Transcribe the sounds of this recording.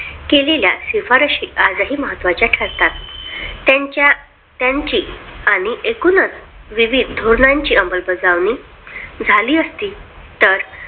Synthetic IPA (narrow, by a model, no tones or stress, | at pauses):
kelelja̰sifaɾəɕiːad͡zəɦiːməɦət̪ʋat͡ɕjaʈʰəɾt̪at̪ː | at͡ɕa | t̪jaɲt͡ɕiːaɽ̃iʔekunət͡s | ʋiʋid̪ʱd̪ʱoɾnaɲt͡ɕiːəmbəlbəd͡zaʋni | d͡zʱaliːəst̪iː | t̪əɾ